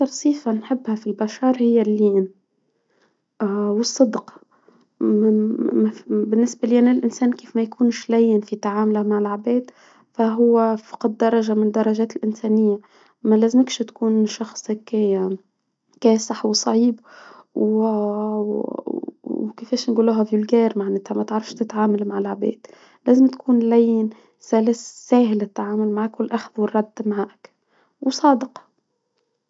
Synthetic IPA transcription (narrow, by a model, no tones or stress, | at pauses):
ak̪ɑɾˤsˤiːfanħɪbːhafilbaʃɑːɾˤhɪjːalːiːn | wɨsˤːɨd̪q | bɪnːɪsbaliːʔanːɪlʔɪnseːnkeːfmajkuːnʃlæjːɪnfit̪aʕaːmlamaʕɪlʕabeːd̪ | faɦʊwːɪfɑ̥qɑd̪̚ːɑɾˤɑʒamɪnd̪ːɑɾˤɑʒaːt̪ɪlʔɪnseːnɪjːa | malæːzmɪkʃt̪kuːnʃɑxsˤk | kɛːsɪħwsˤɑʕiːbw | kefeːʃnɡuːlːʊɦavjʊlɡeːɾmaʕneːt̪hamat̪ʕɾˤɑfʃt̪ɪt̪ʕaːmalmaʕɪlʕabḛːd̪̥ | læːzɪmt̪kuːnlæjːɪn | sælɪssæːɦɪlɪt̪ːʕaːmʊlmaʕakwɪlʔaxðwɪrˤːɑd̪ːmaʕaːʔk | wsˤɑːd̪ɪq